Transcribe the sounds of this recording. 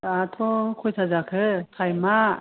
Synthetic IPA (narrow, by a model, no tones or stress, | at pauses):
atʰɔkʰɔjtʰazakʰɯkʰajma